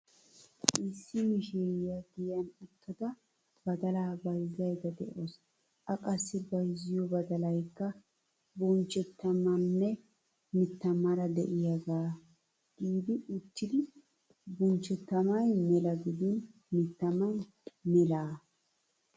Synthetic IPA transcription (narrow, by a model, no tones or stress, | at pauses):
ʔɪsːɪmɪʃeɪjaɡɪjɐnʊt̪ːɐd̪ɐ | bɐd̪ɐlaːbɐjzɐjd̪ɐd̪ɛ̰ʔos | ʔɐkʼɐsːɪbɐjzɪjɔbɐd̪ɐlɐjkːɐ | bɔnt͡ʃːɛt̪ːɐmɐnːɛ | mɪt̪ːɐmɐɾɐd̪ɛ̰ʔɪjɐɡaː | ɡ̥iːd̪ɪʊt̪ːɪd̪ɪ | bɔnt͡ʃːɛt̪ːɐmɐjmɛlɐɡɪd̪ɪn | mɪt̪ːɐmɐj | mɛlaː